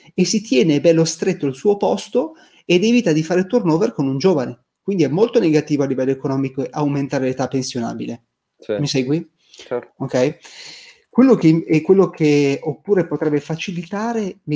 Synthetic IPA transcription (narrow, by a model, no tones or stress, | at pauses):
esit̪jɛːnebɛlːost̪ɾet̪ːoalsuːopɔst̪o | ed̪ɛvit̪ad̪ifaːɾet̪urnoːverkonund͡ʒoːvane | kwind̪iɛmːolt̪oneɡat̪iːvoalːivɛlːoekonɔːmikoeʔawment̪aːɾelet̪apːensjona̰ːbile | misɛjɡwi | okɛj | kwelːok̟ekwelːokʰeopːuːɾepot̪ɾɛbːefat͡ʃilit̪aːɾe